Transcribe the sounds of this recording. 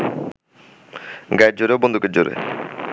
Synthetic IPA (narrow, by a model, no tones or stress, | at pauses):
ɡaɾ̚d͡ʑoɾeobond̪ukeɾd͡ʑoɾḛ